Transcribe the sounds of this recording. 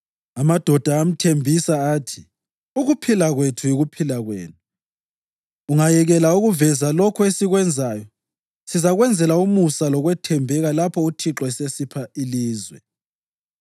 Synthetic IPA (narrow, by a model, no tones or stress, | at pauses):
amad̥ʱɔd̥ʱaːm̩tʰembʱisaaːtʰi | uɣupʰilaɣwetʰujiɣupʰilaɣwḛːnu | uŋajɛɣɛlauɣuvɛzalɔkʰɔesiɣwɛnd͡zʱaːjɔ | sizaɣwɛnd͡zʱɛlaumusalɔɣwɛtʰɛmbʱɛɣalapʰɔutʰiǁɔɛsesipʰailiːzwɛ̰